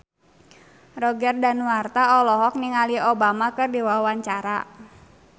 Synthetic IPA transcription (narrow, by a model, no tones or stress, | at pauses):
rɔɡɛrdanwart̪aɔlɔɦɔk̚niŋaliobamakɨrdiwawaɲt͡ʃaɾa̰